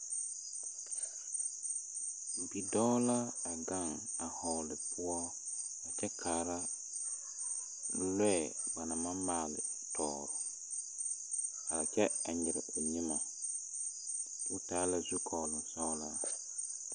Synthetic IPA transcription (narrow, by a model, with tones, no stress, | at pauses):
bi˨dɔ˦la˦a˨ɡa˦˨ŋ | a˨hɔ˨lɪ˨pʰʊ˦ɔ˦ | a˨t͡ʃɛ˦kʰaː˨ɾa˦ | lɛ˦˨ | ba˨na˨mã˦maː˨lɪ̰˨ | tʰɔː˨ɾʊ˨ | a˨ɾa˨t͡ʃɛ˦a˨ɲɪ˨ɾɪ̰˨o˨ni˦ma˨ | tu˦taː˦la˨zu˦kʰɔː˨lʊ˨n˨sɔ˦la˦